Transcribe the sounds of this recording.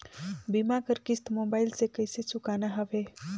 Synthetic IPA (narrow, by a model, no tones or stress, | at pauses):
bimakəɾkɪst̪mobailsekəjsesukanaɦəʋe